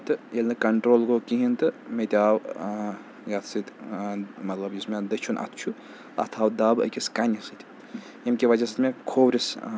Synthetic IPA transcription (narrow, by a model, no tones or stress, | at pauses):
t̪ɨelʲnɨkɐɳʈɾoːlɡokiɦint̪ɨmet̪ʲaːw | jat̪sɨt̪ʲ | mɐt̪lɐbjismed̪ɐt͡ʃʰunʔɐ̰t̪ʰt͡ʃʰu | ɐ̰t̪ʰaːwd̪aːbɐ̰kʲiskɐnʲɐsɨt̪ʲi̥ | emkʲiʋɐd͡ʒɐsɨt̪mekʰoːwɾʲis